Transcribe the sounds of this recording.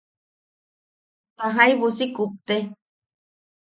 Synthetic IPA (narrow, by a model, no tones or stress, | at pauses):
t̪aɦãiβusikup̚t̪e